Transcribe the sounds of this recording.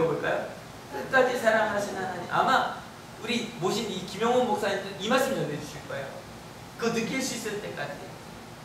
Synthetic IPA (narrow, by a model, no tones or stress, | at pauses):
ʌboɭk͈a̰jo̰ | k͈ɯk͈ad͡ʑisʰaɾaŋɦaɕʰinɦanaɲḭʔa̰ma | uɾimoɕʰinikimjʌŋonmok̚s͈aɲidɯimaɭs͈ɯmʌned͡ʑuɕʰiɭk͈ʌe̞̰jo̰ | kɯnɯk͈iɭs͈uis͈ɯɭt͈e̞k͈ad͡ʑi